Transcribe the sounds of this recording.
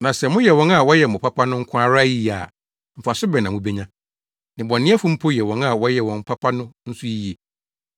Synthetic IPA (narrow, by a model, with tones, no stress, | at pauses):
nã˨sɛ˨mʊ̃˦jɛ˨wɔ̃˦na˨wɔ˦jɛ˨mʊ̃˨pʰa˦pʰa˦nʊ̃˦ŋ̩˦kʷʰa˦ɾa˦ji˦˨a̰˨ | m̩˨fa˨sʊ˦bɛ˨nã˨mʊ̃˦be˦ɲã˦ | nɪ̃˨bɔ̃˨nːɪ̃˦a˦fʊ̃˦m̩˦pʰo˦jɛ˨wɔ̃˦na˨wɔ˦jɛ˨wɔ̃˨m̩˦pʰa˦pʰa˦nʊ̃˦n̩˦sʊ˦i˦je˨